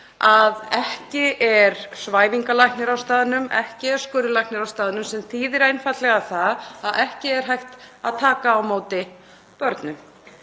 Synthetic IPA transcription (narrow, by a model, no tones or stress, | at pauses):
aðɛhcɪʔɛɾ̥svaːjviŋkalajhknɪɾawst̪aːðɪnʏmɛ̰hcɪɛɾ̥skʏːɾɪlajknɪɾawst̪aːðɪnʏmsɛmθiːðɪɾejnfat̪lɛɣaθaðaðʔɛhcɪɛɾ̥ɦajht̪a̰ðt̪ʰaːkaːwmoːwt̪ɪ | pœɾt̪nʏm